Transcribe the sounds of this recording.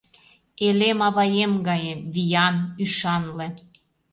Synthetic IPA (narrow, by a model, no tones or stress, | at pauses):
elemɑβɑjemɡɑjeβijɑnyʃɑnle